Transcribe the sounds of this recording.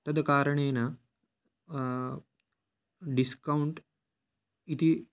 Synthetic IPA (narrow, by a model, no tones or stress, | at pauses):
t̪əd̪kaɾɳena | ɖiskauɳʈ | it̪iː